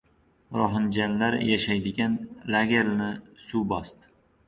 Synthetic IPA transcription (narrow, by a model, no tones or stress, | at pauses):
ɾɒɦɪnd͡ʒanlaɾjaʃajd̪ɪɡʲanlaɡʲeɾnɪsubɒst̪ɪ